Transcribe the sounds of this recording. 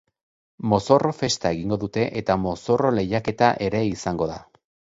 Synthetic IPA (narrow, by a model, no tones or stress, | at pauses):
mo̞so̞ro̞fe̞st̪ae̞ɣiŋɡo̞ðut̪e̞ʔet̪amo̞so̞ro̞le̞jake̞t̪aʔe̞ɾe̞isaŋɡo̞ða